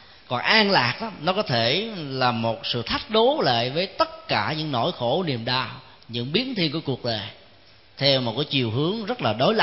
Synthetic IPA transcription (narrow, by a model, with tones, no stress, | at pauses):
kɔ˨˩nʔaː˧ŋlaː˨˩k̚ɗaː˨˦mnɔ˨˦kɔ˨˦t̪ʰe˧˩laː˨˩mo˨˩t̚sɨ̰˧˨t̪ʰa˦˥jk̟̚ɗo˨˦lḛː˧˨jvəː˨˦jt̪ə˦˥t̚kaː˧˩ɲɨ̰˧˥ŋno̰˧˥jxo˧˩ni˨˩əmɗaː˧w | ɲɨ̰˧˥ŋɓi˨˦ənt̪ʰi˧ənku˧˩əku˨˩ək̚ɗəː˨˩j | t̪ʰɛ˧wmo˨˩kaː˨˦jt͡ɕi˨˩əwɦɨ˨˦əŋzə˦˥t̚laː˨˩ɗo˨˦jla˧